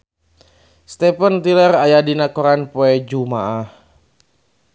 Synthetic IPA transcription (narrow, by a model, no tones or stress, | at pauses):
st̪ɛpənt̪ilərajadinakɔɾanpoɛd͡ʒumaʔah